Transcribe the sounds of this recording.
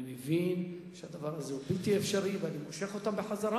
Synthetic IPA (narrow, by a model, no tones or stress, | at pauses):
imevinʃead̪avaʁazeubilt̪iefʃaʁiveanimoʃeχot̪ambeħazaʁa